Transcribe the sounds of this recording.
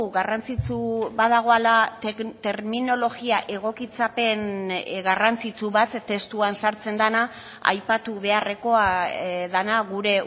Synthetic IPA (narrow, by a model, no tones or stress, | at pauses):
ɣarant͡sit͡suβaðaɣ̞o̞alat̪e̞ɾmino̞lo̞ɣiaʔe̞ɣ̞o̞kit͡sape̞nɣarant͡sit͡suβat̪ːe̞st̪uansaɾt͡se̞nd̪ana | a̰jpat̪uβe̞are̞ko̞aðanaɣuɾe̞